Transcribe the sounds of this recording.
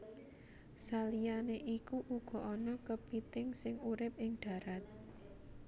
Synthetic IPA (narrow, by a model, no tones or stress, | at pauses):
salijaneʔikuʔuɡ̥ɔ̤ʔɔnɔkəb̥it̪ɪŋsɪŋuɾɪp̚ɪŋɖ̪̥ä̤ɾat̪̚